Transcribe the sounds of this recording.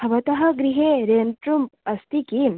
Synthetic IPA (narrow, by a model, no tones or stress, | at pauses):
hɐʋɐt̪ɐɦɐ̆ɡɾiɦeɾeːnʈɾumpɐst̪iki